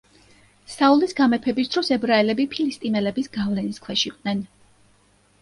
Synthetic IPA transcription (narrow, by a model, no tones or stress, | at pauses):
saulisɡamɛpʰɛbisd̪ɾɔsɛbɾaɛlɛbipʰilist̪ʼimɛlɛbisɡavlɛniskʰwɛʃiqʼnɛn